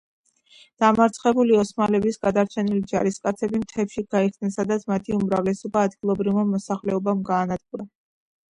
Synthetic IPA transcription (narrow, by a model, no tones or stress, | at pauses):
d̪̥amaɾt̪sʰχɛbuliɔsmalɛbisɡad̪aɾt͡ʃʰɛnilid͡ʒaɾiskʼat̪sʰɛbimt̪ʰɛpʃiɡaiχsd̪nɛnsad̪at̪sʰmat̪ʰiumɾavlɛsɔbaːd̪ɡilˠɔbɾivmamɔsaχlɛɔbamɡaːnad̪̚ɡuɾa